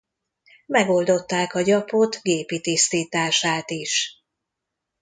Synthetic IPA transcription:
mɛɡo̞ld̪o̞t̪ːaːkɒɟɒpot̪ɡeːpit̪ist̪iːt̪aːʃaːt̪iʃ

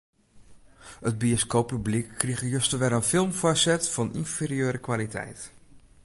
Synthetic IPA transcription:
əd̚bioskowpːyblikːriɣəjøstəʋɛɾənfɪlˠmfɔsɛtfɑnʔḭnferiøːɾəkʋalitʰɛ̰jt

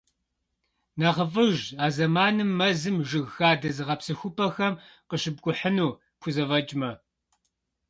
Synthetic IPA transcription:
nɐʁəfɨʒaːzɐmaːnɨmːɐzɨmʒɨɣxaːdɐzɨʁɐpsɨxʷʊpʰʼɐxɐmqəɕɨb̚kʷʼʊħənuː | kʷʰʊzɐvɐt͡ʃʼmɐ

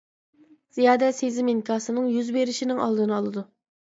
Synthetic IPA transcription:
z̥ijɑːd̪ɛsezɪmiŋkʰɑːsɨnɨŋjyzbeɾɪʃinɪŋɑ̰lˠd̪ɨnɨɑlˠɨd̪u

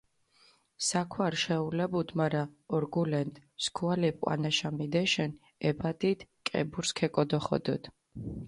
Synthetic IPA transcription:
sakʰwaɾʃɛulɛbud̪maɾaɔɾɡulɛnt̪ʼskʰualɛp̚ʼqʼwa̰naʃamid̪ɛʃɛn | ɛbat̪ʼit̪kʼɛ̰buɾskʰɛkʼɔd̪ɔχɔ̰d̪ɔ̰d̪̥

